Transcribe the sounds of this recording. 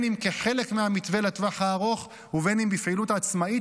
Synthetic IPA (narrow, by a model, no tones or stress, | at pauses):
nimkeχe̞le̞kmeamit̪ve̞lat̪vaħaːʁo̞χ | uvenimbifʕilutaːt͡smai